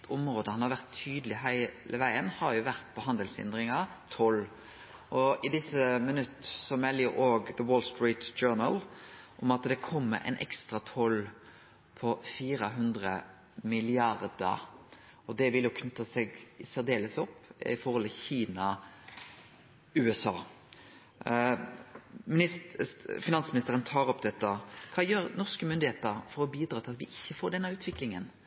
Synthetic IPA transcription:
ʊmɾoːd̪əhɑnhɑʁʋæʁt̪ʰːyːd̪əlɪɦæɪləʋæɪənhɑʁjʊʋæʁt̪pʰɔɦɑnd̪əlsɛ̰nd̪ʁɪŋɑt̪ʰɔl | ʔɔɪd̪ɪsəmənʉt̪ːsɔmɛljʊʔoːɡðəwoːlst̪ɹiːt̪d͡ʒøːnəlʔɔmɑt̪d̪ɛkʰɔmːə̰ʔɛ̰ɪnʔɛ̰kst̪ʁɑt̪ʰɔl | pʰɔfiːɾəɦʉnd̪ʁə | mɪlɪɑʁd̪ə̰ɾ | ɔd̪ɛʋɪljʊkʰnʉt̪ːəsɛɡseːd̪eːləsɔpːɪ̰fɔɾhɔlt̪ʰɪçiːnɑ | ʉːɛsɑː | mɪɪ | fɪnɑnsmɪnɪst̪əɾənt̪ʰɑːɾɔpd̪ɛt̪ːəkʰɑːjøːɾnɔʁskəmʏnd̪ɪheːt̪əɾfɔɾɔbiːd̪ɾɑːt̪ɪlɑt̪ʋɪʔɪçːəfoːɖ̪ɛnːəʉːt̪ʰʋɪklɪŋən

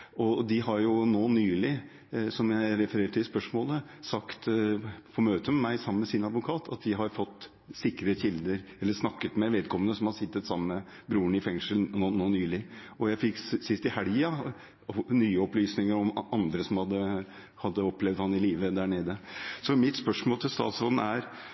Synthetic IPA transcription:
ɔd̪ɪɦɑɾjʊnoːnyːlɪ | sɔmjæɪɾɛfəɾeːɾʈɪlspœʂmoːlə | sɑkt̪pʰɔmøːt̪əmɛmæɪsɑmːəmɛsɪnɑd̪ʋʊkʰɑːt̪ʰɑ̰t̪̚d̪ɪɦɑɾfɔt̪ː | sɪkɾəçɪld̪əɾɛlːəʂnɑkːət̪mɛʋɛːd̪̚kʰɔmənəsɔmhɑsɪt̪ːət̪sɑmːəmə | bɾuːəɳɪfɛŋʂəlnonoːnyːlɪɔjæɪfɪksɪst̪ɪhæljɑ | nyːəɔplyːsnɪŋəɾɔmɑnd̪ɾəsɔmhɑd̪ːə | hɑd̪ːəɔplɛʋd̪hɑnɪliːʋəd̪æːɳeːd̪əsɔmɪt̪spœʂmoːlt̪ʰɪlst̪ɑ̰ːt̪sɾoːd̪n̩æɾ

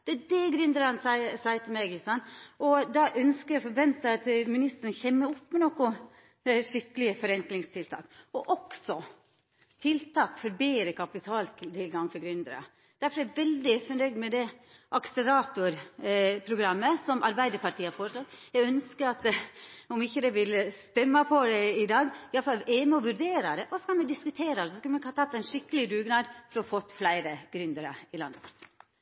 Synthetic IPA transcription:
d̪̥ɛæɖɛɡɾʏnd̪əɾɑnsɑəsæət̪ʰɪmɛɡɪlsɑnɔd̪ɑʔœnskəɾjæfɔɾʋɛnt̪əɑt̪mɪnɪst̪ənəçɛmːəʊpːmɛnɔkːʊ | ʂɪkːəlɪəfɔɾɛŋklɪŋst̪ʰɪlt̪ʰɑ̰ːkɔʔɔksɔ | t̪ʰɪlt̪ʰɑːkfɔɾbeːɾəkʰɑpɪt̪ʰɑːlt̪ʰɪlɡɑŋfɔɾɡɾʏnd̪əɾɑ̰ | d̪̥æɾfɔɾjæʋɛld̪ɪfɔnœʏd̪mɛd̪ɛʔɑksəɾɑːt̪ʊɾpʰɾʊɡɾɑmːəsɔmʔɑɾbæɪd̪əɾpɑʈ̪ʰiːhɑɾfoːɾəslɑt̪ːjɛɡœnskəɾɑt̪ɔmɪçːəd̪ɛʋɪlːəst̪ɛmːɑpʰɔd̪ɛɪd̪ɑːɡɪjɑlfɑlɛməɔʋʉɾɖeːɾɑd̪ɛʔɔsɔkɑlmɛd̪ɪskʉt̪ʰeːɾɑd̪ɛsɔskʉlmɛkhɑt̪ʰɑt̪ːæɪnʂɪkːəlɪd̪ʉːɡnɑːd̪fɔɾɔɔfɔt̪ːflæɪɾəɡɾʉnd̪əɾə̰ɪlɑnd̪əpʰɑɾt̪ʰi̥ː

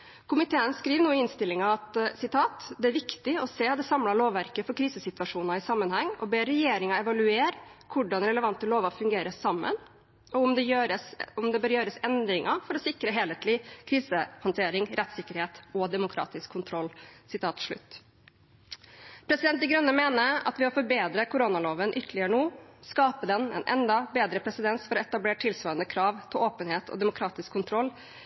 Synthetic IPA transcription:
kʰʊmɪt̪ʰeːənskɾiːʋnuːɪɪnst̪ɪlːɪŋɑɑt̪sɪt̪ʰɑːt̪d̪ɛæɾʋɪkt̪ɪɔseːt̪d̪ɛsɑmlɑɭoːʋːæɾkəfɔɾkʰɾiːsəsɪt̪ʋɑʂuːnɑɪsɑmːənhɛŋːɔ̰beːɾɛjeːɾɪŋɑɛʋɑlʉeːɾkʰʊɖɑnɾɛləʋɑnt̪əloːʋɑfʉŋɡeːɾəsɑmːə̰n | ɔʊmd̪ɛjøɾəsʊmd̪ɛbøːɾjøːɾəsɛnd̪ɾɪŋʔɑfɔɾɔsɪkɾəɦeːlət̪ʰlɪkʰɾiːsəhɑnt̪ʰeːɾɪŋɾʔɛt̪sɪkːəɾheːt̪ɔd̪ɛmʊkʰɾɑ̰ːt̪ɪskʰːʊnt̪ʰɾɔlːsɪt̪ʰɑːt̪ʂɭʉ̰t̪ː | pʰɾɛsɪd̪ɛnt̪d̪ɪɡɾœnːəmeːnəɾɑ̰t̪ʋɪɔfɔɾbeːd̪ɾəkʰʊɾonɑloːʋənʔʏt̪ʰːəlɪəɾəɳuːskɑːpəd̪ɛnɛ̰nʔɛ̰nd̪ɑbeːd̪ɾəpʰɾɛsɪd̪ɛnsfɔɾɔɛt̪ɑbleːʈʰɪlsʋœːənd̪əkʰɾɑːʋt̪ʰɪʔoːpənheːt̪ʰɔ̰d̪ɛmʊkʰɾɑːt̪ɪskʰːʊnt̪ʰɾɔlː

